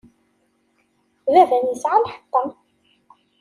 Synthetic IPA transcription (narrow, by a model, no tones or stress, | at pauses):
ðævænjəsʕalħə̥t̪ˤːɑ